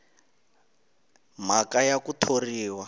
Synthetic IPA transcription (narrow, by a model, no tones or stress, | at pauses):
m̤akajakutʰoriːwa